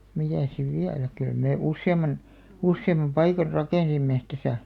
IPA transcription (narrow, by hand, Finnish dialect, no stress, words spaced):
mitæˑs siʋ ʋiælæ kyl meˑ usːeɑmɑn usːeimɑm pɑikɑr rɑkeˑnsimːe tæsæ